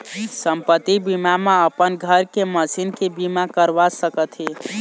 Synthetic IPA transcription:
səmpət̪ibimameəpənɡʱəɾkeməsinkebimakəɾʋasəkət̪ʰɦi

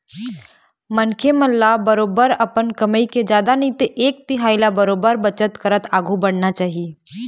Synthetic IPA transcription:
mɐnkʰeməlːabɐɾoːbəɾɐpənkɐməiked͡ʒjaːd̪anĩt̪eʔeːk̚t̪ɪɦaːɪlabɐɾoːbəɾbət͡ʃət̪kəɾət̪aːɡʱubɐɽ̤nat͡ʃaːɦie

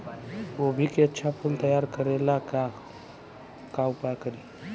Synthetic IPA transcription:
obʱikeətːɕʰapʰuːlt̪əjaɾkəɾelaka | kaupakəɾi

